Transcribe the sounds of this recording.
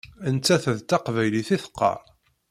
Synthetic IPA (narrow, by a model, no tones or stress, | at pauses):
ənt͡sːæθəðt̪ɑqvæjliθiθə̥qːɑ̰